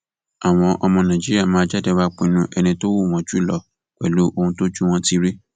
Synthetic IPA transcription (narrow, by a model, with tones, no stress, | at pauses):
a˨w̃ɔ̃˧ʔɔ˧mɔ̃˧nã˨d͡ʒi˦ɾi˦a˦˨mãː˨˦d͡ʒɛ˦dɛ˦˧wa˦k͡pe˧nũ˦ʔɛ˧nĩ˧to˦wu˦˨w̃ɔ̃˧˦d͡ʒu˦˨lɔ˨ | k͡pɛ˨lu˨˦ʔo˧hũ˧to˦d͡ʒu˦w̃ɔ̃˦ti˦ɾi˦